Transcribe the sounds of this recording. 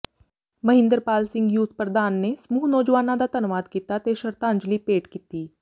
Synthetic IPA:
mɐɦɪ̃nd̪əɾpaːlsɪ̃ŋɡjuːt̪ʰpɾəd̪aːnːesmuːɦnɔːd͡ʒʋaːnãd̪at̪ɐnʋaːd̪kit̪at̪eʃəɾt̪aə̃ɲd͡ʒlipeːʈkiːt̪iː

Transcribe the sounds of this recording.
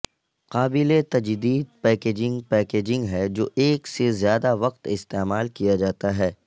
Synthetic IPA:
qaːbɪlet̪ɐd͡ʒd̪iːd̪̚pɛːkeːd͡ʒɪ̃ŋɡpɛːkeːd͡ʒɪ̃ŋɡɦɛd͡ʒoːʔeːksezjaːd̪aʋɐqt̪ɪst̪eːmaːlkijad͡ʒaːt̪aɦɛː

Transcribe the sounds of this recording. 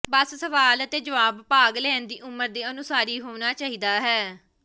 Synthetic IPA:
bəssəʋaːlət̪eːd͡ʒəʋaːbpaːɡlɛːnd̪iːʔʊməɾd̪eːənʊsaːɾiːɦoːnaːt͡ʃaːɦiːd̪aːɦɛː

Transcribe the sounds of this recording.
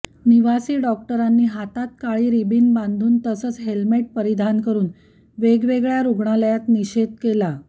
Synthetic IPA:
niʋasiːɖɔk̚ʈəɾanːiːɦat̪at̪̚kaɭiːɾibiːnbãnd̪ʱuːnt̪əsəːt͡sɦelmeʈ̚pəɾid̪ʱankəɾuːn | ʋeɡʋeɡɭjaɾuɡɳaləjat̪niɕed̪̚kela

